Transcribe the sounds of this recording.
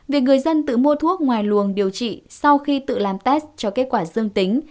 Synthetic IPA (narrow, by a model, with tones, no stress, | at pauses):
vi˨˩ək̚ŋɨ˨˩əjzə˧nt̪ɨ̰˧˨mu˧ət̪ʰu˦˥ək̚ŋwaː˨˩jlu˨˩əŋɗi˨˩əwt͡ɕḭ˧˨sa˧wxi˧t̪ɨ̰˧˨laː˨˩mt̪ɛ˦˥st͡ɕɔ˧ke˦˥t̚kwaː˧˩zɨ˧əŋt̪ï˨˦ŋ̟